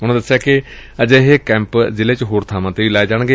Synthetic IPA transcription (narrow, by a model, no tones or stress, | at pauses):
ʊñːd̪əsːjaːkɪ | əd͡ʒeɦekɛ̃ːmpzɪleːt͡ʃɦoːɾt̪ʰaːmãːt̪eːiːlaːed͡ʒaːɽ̃ɡeː